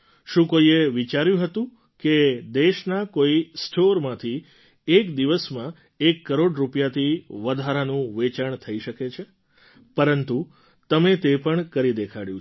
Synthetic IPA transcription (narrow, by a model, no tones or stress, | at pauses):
ʃũkoieʋit͡ʃaɾjũɦət̪ũ | ked̪eʃnakoisʈʰoɾmãt̪ʰi | ekd̪iʋəsmã | ekːəɾoɽɾupjat̪ʰiʋəd̪ʱaɾanũʋet͡ʃəɳt̪ʰəiʃəket͡ʃʰe | pəɾənt̪u | t̪əmet̪epəɳkəɾid̪ekʰaɽjũ